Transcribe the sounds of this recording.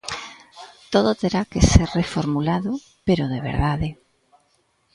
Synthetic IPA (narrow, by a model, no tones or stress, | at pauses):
t̪oðot̪eɾakeseɾrefoɾmulaðo | peɾoðeβ̞ḛɾðaðe